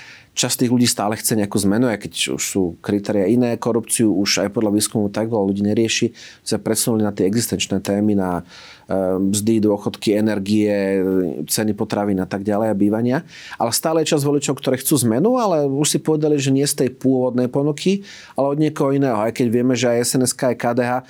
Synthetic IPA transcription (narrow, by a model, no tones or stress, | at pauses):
t͡ʃast̪iːɣluɟiːst̪aːlɛxt͡sɛɲɛakuːzmɛnuajkɛcṵʃsuːkɾit̪ɛːɾɪainɛːkɔɾupt͡siuuʃa̰jpɔd̪lʎaʋiːskumɔʊt̪aɡɔluɟiːɲɛɾɪɛʃi | sapɾɛsunulinat̪ɛɛɡzist̪ɛnt͡ʃnɛːt̪ɛːmina | mzd̪id̪ʊɔxɔt̪kiɛnɛɾɡiɛ | t͡sɛnipɔt̪ɾaʋiːnat̪aɡɟalɛjabiːʋaɲɪa | ʔa̰lɛst̪aːlɛjɛt͡ʃazʋɔlit͡ʃɔʊkt̪ɔɾɛːxt͡suːzmɛnualɛuʃsipɔʋɛd̪aliʒɛɲɪɛst̪ɛjpʊɔʋɔd̪nɛjpɔnukʰi | alɛɔd̪ɲɪɛkɔɦɔinɛːɦɔajkɛɟʋɪɛmɛʒɛajɛsɛnɛskaːajkaːd̪ɛːɦaː